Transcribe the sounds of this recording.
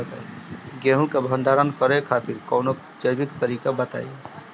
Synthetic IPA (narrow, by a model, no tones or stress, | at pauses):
t̪a̰ːiɡẽːɦũkebʱə̃nɖ̪ʱaːɾənkəɾekʰaːt̪ɪɾkɔːnok | d͡ʒəjbɪkt̪əɾiːkabət̪a̰ːje